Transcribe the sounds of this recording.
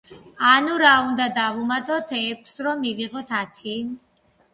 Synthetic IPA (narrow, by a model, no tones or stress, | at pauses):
anuɾaund̪ad̪avumat̪ʼɔt̪ʰɛkʷʰsɾɔmːiviʁɔt̪ʰat̪ʰi